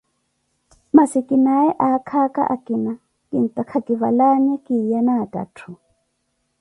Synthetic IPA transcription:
masikʼinaɛʔakʰaka̰ʔakʼina | kin̩tʼakʰakiβalaɲɛkijanatʼa̰tʰu

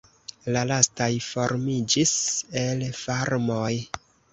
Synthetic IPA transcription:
lalastajfo̞ɾmid͡ʒise̞lfaɾmo̞j

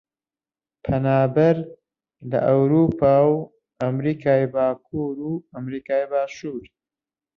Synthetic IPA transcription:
pʰɐnaːbɐɾ | lɐ̰ʔɐwɾuːpʰaːw | ɐmɾiːkʰaːjbaːkʰuːɾuːɐmɾiːkaːjbaːʃuːɾ

